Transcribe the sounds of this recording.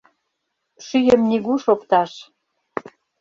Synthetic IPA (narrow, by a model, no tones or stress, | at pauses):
ʃyjəmniɣuʃopt̪ɑʃ